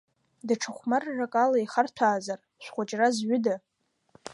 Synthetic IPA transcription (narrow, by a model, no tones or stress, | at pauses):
daʈ͡ʂʰaχʷmarːakʼalaiχartʷʰaːzar | ʃʷᶣχʷat͡ʃʼrazɥʊda